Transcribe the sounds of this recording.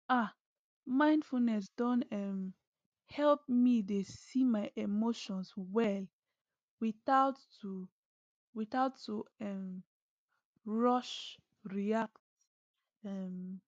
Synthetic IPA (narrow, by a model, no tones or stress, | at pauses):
a | mãɪ̃ndfulnɛs̬dɔ̃nɛm | hɛlp̚midesimaɪʔemoʃɔ̃nswɛl | wiθaʊtː | u | wiθaʊtːuɛm | ɹɔʃ | ɹiak̚t | ɛm